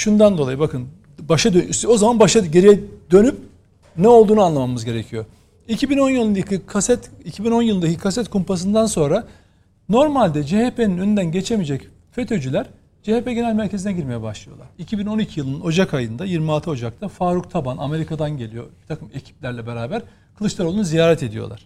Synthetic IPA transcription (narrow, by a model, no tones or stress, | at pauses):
ʃund̪and̪o̞lˠajɯbakʰɯn | baʃad̪øo̞zamanbaʃaɟe̞ɾijɛd̪ø̞nyp̚ | nɛo̞lˠd̪uːnuanlˠamamɯzɟe̞ɾe̞cʰijo̞ | icʰibino̞njɯlˠɯnakɯkʰasɛt̪ | icʰibino̞njɯlˠɯnd̪acʰikʰasɛt̪kʰumpas̬ɯnd̪anso̞nɾa | no̞ɾmalʲd̪ɛd͡ʒehepʰe̞ninønynd̪ænɟe̞t͡ʃʰe̞mid͡ʒɛc | fe̞t̪ʰo̞d͡ʒylʲæɾ | d͡ʒehepeɟe̞nælʲmæɾcʰe̞zinɛɟiɾme̞jɛbaʃlˠɯjolˠa̰ɾicʰibino̞nicʰijɯlˠɯnɯno̞d͡ʒakajɯnd̪ajiɾmialˠt̪ʰɯo̞d͡ʒak̚t̪ʰafaːɾuk̚t̪ʰabaname̞ɾikʰad̪anɟe̞lʲijo̞̰bit̪ʰakʰɯme̞cʰi̥p̚lʲæɾlʲɛbe̞ɾaːbæɾ | kʰɯlˠɯt͡ʃlˠaɾolˠunuzijaːɾɛt̪ʰe̞d̪ijolˠa̰ɾ̥